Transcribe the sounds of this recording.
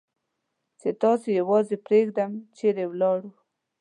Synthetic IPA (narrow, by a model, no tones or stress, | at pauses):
t͡ʃet̪ɑsojawɑzepɾeɡd̪amt͡ʃeɾewlɑɽu